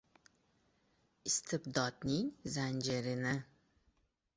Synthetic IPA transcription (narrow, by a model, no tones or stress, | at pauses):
ɪst̪ʰɪbd̪ɒd̪nɪŋzanʲd͡ʒeɾɪnɪ